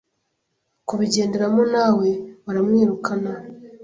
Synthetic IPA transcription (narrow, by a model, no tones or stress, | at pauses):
kuβiɟe̞ːndeɾamonaːwe̞waɾamŋiːɾukʰana